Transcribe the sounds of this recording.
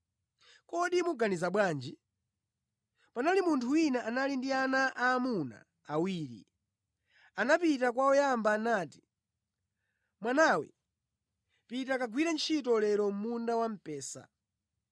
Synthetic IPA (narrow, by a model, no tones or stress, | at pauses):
kɔɗimuɡanizaɓwaːnd͡ʒi | panalimuntʰuwinaʔanalindianaʔaːmuna̰ː | wiːɾḭ | anapitakwaɔjambaːnaːti̥ | mwanawɛ̰ | pitakaɡwiɾɛnt͡ʃʰitɔlɛɾɔm̩mundawam̩pɛːsa̰